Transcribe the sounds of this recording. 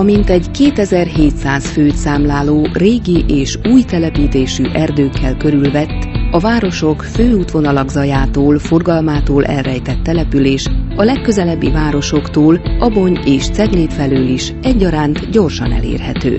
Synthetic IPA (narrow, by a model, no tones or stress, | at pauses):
ɒmint̪ɛɟkeːt̪ɛzɛrheːt̪saːsføːt̪saːmlaːloːreːɡiʔeːʃuːjt̪ɛlɛpiːt̪eːʃyʔɛrd̪øːkːɛlkø̞ɾylvɛt̪ːɒvaːɾo̞ʃo̞kføːuːt̪ʋo̞nɒlɒɡzɒjaːt̪oːlfo̞rɡɒlmaːt̪oːlʔɛ̰lrɛjt̪ɛt̪ːɛlɛpyleːʃɒlɛkːø̞zɛlɛbːivaːɾo̞ʃo̞kt̪oːlɒbo̞ɲeːʃt̪sɛɡleːt̪fɛlyliʃ | ɛɟːɒɾaːnt̪ɟo̞rʃɒ̰nɛ̰lḛːrhɛt̪ø̰ː